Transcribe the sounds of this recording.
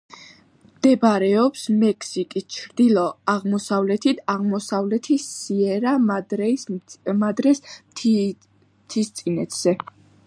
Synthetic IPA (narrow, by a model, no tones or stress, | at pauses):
md̪̥ɛbaɾɛɔpsmɛkʰsikʼist͡ʃʰɾd̪ilˠɔaʁmɔsavlɛt̪ʰit̪ʰaʁmɔsavlɛt̪ʰisiɛɾa | mad̪ɾɛsʰ | t̪ʰist̪sʼinɛt̪ʰz̥ɛ